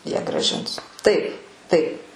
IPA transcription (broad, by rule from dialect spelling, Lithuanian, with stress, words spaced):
ˈjiɛ ɡrɑːˈʒʲɪns ˈtɐɪp ˈtɐɪp